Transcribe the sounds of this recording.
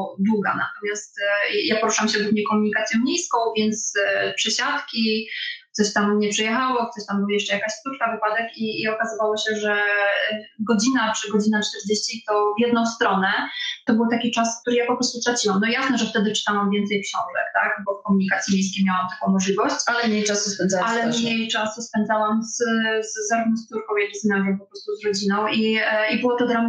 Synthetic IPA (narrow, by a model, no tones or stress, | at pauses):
d̪wuɡa̰na̰t̪ɔmʲjast̪japɔɾuʂawamɕɛɡumɲejkɔmuɲikat̪sʲjɔ̃w̃ɲejskɔ̃w̃vʲjɛnt̪spʂɛɕat̪kʲi | sɔɕt̪amɲɛpʂɛjɛxawɔkt̪ɔɕt̪ambɨwajɛʂt͡ʂɛjakaɕst̪utkavɘpad̪ɛkiːɔkazɨvawɔɕɛʐɛ | ɡɔd͡ʑinat͡ʂɘɡɔd͡ʑinat͡ʂt̪ɛɾd͡ʑeɕt͡ɕit̪ɔvʲjɛd̪nɔ̃w̃st̪ɾɔnɛt̪ɔbɘwt̪akʲit͡ʂask̚t̪uɾɘjapɔpɾɔst̪ut̪ɾat͡ɕiwamnɔjasnɛʐɛft̪ɛd̪ɘt͡ʂɨ̥t̪awamvʲjɛnt̪sɛjpʂɔnt̪ɛ̰kt̪a̰kbɔfkɔmuɲikat̪sʲjimʲejskʲejmʲjawamt̪akɔ̃w̃mɔʐlʲivɔɕt͡ɕalɛmɲejasuspɛnd̪zawalɛmɲejt͡ʂasuspɛnd̪zawamzzːaɾubnɔ̃st̪uɾkɔ̃w̃jaɡʲznʲaɡʲɛmpɔpɾɔst̪uzɾɔd͡ʑinɔ̃w̃iibɨwɔt̪ɔd̪ɾam